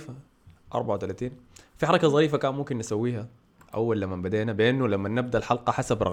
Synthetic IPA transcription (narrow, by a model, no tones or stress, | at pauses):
fa | ʔɑ̰ɾˤbaʕawt̪alaːt̪iːnfiħɑɾˤɑkazˤɑɾiːfakaːnmʊmkɪnːɪsawːiːha | ʔa̰wːalːamːambad̪eːnabɪʔɪnːulamːanːɪb̚d̪aʔlħɑlqɑħasabɾˤɑɣ